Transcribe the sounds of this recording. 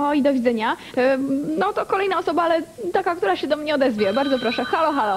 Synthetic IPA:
ɔid̪ɔvʲid̪zɛɲa | nɔt̪ɔkɔlɛjnaɔsɔbaalɛt̪akak̚t̪uɾaɕɛd̪ɔmɲɛɔd̪ɛzvʲjɛbaɾd̪zɔpɾɔʂɛxalɔxalɔ

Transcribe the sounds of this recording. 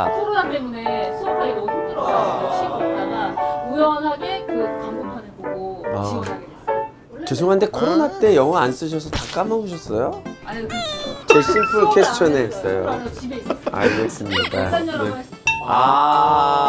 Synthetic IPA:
kʰoɾonatemunesʰoaiotʰut͈ɯɾʌot͡ɕʰiotaɡaujʌnɦaɡe̞kɯkamɡopʰanɯɭboɡoaɡe | t͡ɕesʰoŋɦande̞kʰoɾonat͈e̞jʌŋɦʌans͈ɯɕ̬ʰʌsʰʌtak͈amʌbuɕʰʌs͈ʌjoaɲekɯt͡ɕes͈ɯpʰɯkʰe̞sʰɯ̥t͡ɕʰʌneɦes͈ʌ̰jo̰ibes͈a̰ɡes͈ɯmɲida̰e | a

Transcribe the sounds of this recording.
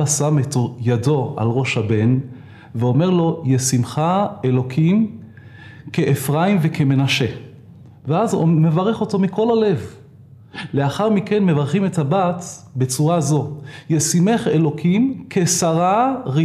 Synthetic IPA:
asametojado̞a̰lʁo̞ʃhabe̞n | veo̞me̞ʁlo̞jesimχaelo̞kʰim | keʔefʁaimvekʰeme̞naʃe̞ | veazme̞vaʁe̞χo̞to̞miko̞lale̞v | le̞aχaʁmike̞nmevaʁχime̞thabatbe̞t͡suʁazo̞jesime̞χe̞lo̞kʰimkʰe̞saʁaʁi

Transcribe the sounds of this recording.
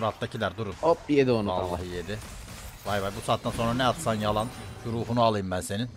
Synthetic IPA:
ɾat̪ːacʰilæɾd̪uɾunop̚bijed̪ionuaːaɦɯjed̪i | vajvajbusaːt̪d̪anso̞nɾanɛat̪sanjɑlˠɑnjuɾuːfunuɑlˠɯjɯmbænse̞nin

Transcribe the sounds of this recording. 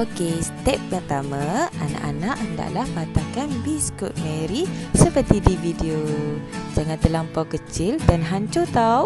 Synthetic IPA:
okesət̪ɛp̚ːərt̪amãana̰ʔanaʔənda̰ʔlahpat̪akanbiskut̪̚meɾisəpərt̪idivideo | d͡ʒaŋant̪əlampawkət͡ʃɪldanɦaɲt͡ʃot̪aw

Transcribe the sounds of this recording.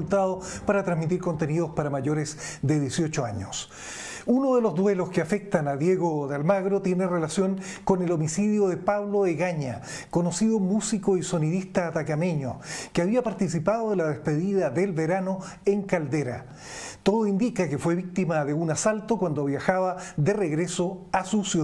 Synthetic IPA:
ult̪aðopaɾat̪ɾanzmit̪̬iɾko̞nt̪enið̞ospaɾamaʝo̞ɾesd̪eðjesjo̞t͡ʃoa̰ɲos | unoð̞elo̞zðwe̞loskeafek̚t̪anaðje̞ɣoðealmaɣɾot̪je̞nerelasjo̞ŋko̞nelo̞misiðjoðepaβloeɣaɲa | kono̞siðomusikoiso̞niðist̪aːt̪akameɲo̰keaβiapaɾt̪is̬ipaðoðelaðespe̞ðiðaðelβeɾano̞ | eŋkald̪eɾa̰ | t̪oðoind̪ikake̞fwe̞βik̚t̪imaðeunasalt̪okwand̪oβjaxaβaðereɣɾesoasusju

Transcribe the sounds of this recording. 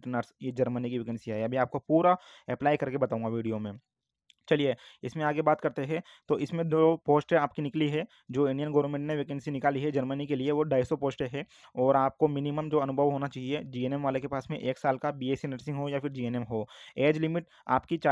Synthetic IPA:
ʈənəɾsjed͡ʒɐɾmənikiʋekə̃nsiɦɛɐbʱiaːp̚kopuːɾa | ɛplaːɪkɐɾkebɐt̪aːũŋɡaʋiːɖijomẽː | t͡ʃɐlijeɪsmẽaːɡebaːt̪kɐɾt̪eɦɛ̃ | t̪oʔɪsmẽd̪oːpoːsʈɛaːp̚kinɪkliɦɛ | d͡ʒoːɪ̃ɳɖijənɡɐʋəɾmẽɳʈneʋekɛ̃nsinɪkaːliɦɛd͡ʒɐɾmənikelieʋoɖaːɪsopoːsʈeɦɛ | ɔːɾaːp̚komɪniməmd͡ʒoːɐnʊbʱəʋɦoːnat͡ʃaːɦied͡ʒiːeːnɛmʋaːlekepaːsmẽʔeːksaːlkabiːeːsinəɾsɪ̃ŋɡɦojafʰɪɾd͡ʒiːenɛmɦoːeːd͡ʒlɪmɪʈ | a̰ːpkit͡ʃa

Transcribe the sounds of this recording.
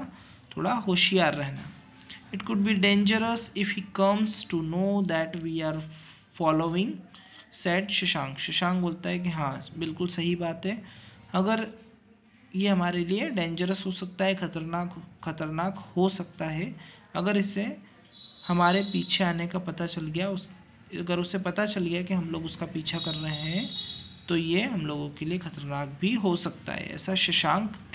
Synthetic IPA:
t̪ʰoːɽaɦoːʃijaːɾːɛɦna̰ | ɪʈkʊɖ̚biɖẽːɲd͡ʒəɾəsɪfhiːkɐmsʈunoːd̪ɛʈʋiːaːɾfɔːloːɪ̃ŋ | sɛːʈʃɪʃãːŋɡʃɪʃãːŋ̚boːlt̪aɦɛkiɦãːbɪlkʊlsɐɦibaːt̪ɦɛɐɡəɾ | jeɦɐmaːɾelieɖẽːnɲd͡ʒəɾəsɦosɐk̚t̪aɦɛkʰɐt̪əɾnaːkxɐt̪əɾnaːkhosɐk̚t̪aɦɛɐɡəɾɪse | hɐmaːɾepiːt͡ʃʰeaːnekapɐt̪at͡ʃɐlɡɐjaʊs | ɐɡəɾʊsepɐt̪at͡ʃɐlɡɐjakiɦɐmloːɡʊskapiːt͡ʃʰakɐɾːɐɦeɦɛ̃t̪ojeɦɐmloːɡõkeliekxʰɐt̪əɾnaːk̚bʱiɦosɐk̚t̪a̰ɦɛ̰ɛ̰ːsaʃɪʃãːŋk

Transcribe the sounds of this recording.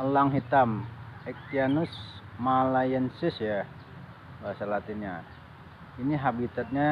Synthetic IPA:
laŋɦit̪amɛk̪̚ianusmalajɛnsɪsja | basalat̪iɲa̰ | iniɦabit̪at̪̚ɲa

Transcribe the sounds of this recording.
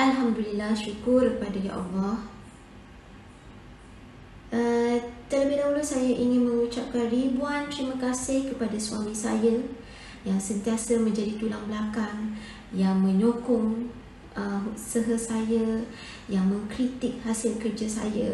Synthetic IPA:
ʔalɦamd̪ulilahʃukʊrkəpadaja̰ʔa̰lːɔh | ʔət̪əlabidaɦulusajaʔiŋɪnmə̃ŋut͡ʃap̚kanribuant̪ɾiməkasɪhkəpadasuwamĩsa̰ja | jaŋsənt̪iasəmə̃ɲd͡ʒadit̪ulaŋblakaŋ | jaŋmə̃ɲokʊŋ | əɦusəɦəsaja | jaŋmə̃ŋkɾit̪ɪk̚hasɪlkərd͡ʒasa̰ja̰

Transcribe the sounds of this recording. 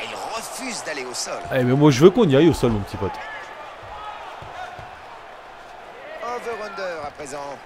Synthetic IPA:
ilʁəfyzd̪aleosɔlebamwaʒəvøkɔ̃niajosɔlmɔ̃pət̪ipɔt̪ | ɔ̃vəʁɔ̃nd̪œːʁapχezɑ̃

